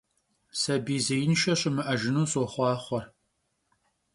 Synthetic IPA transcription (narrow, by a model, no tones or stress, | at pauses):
sɐbiːzɐjɪnʃɐɕʼɪmɨʔɐʒɪnuːsoːχʷɑːχʷɔr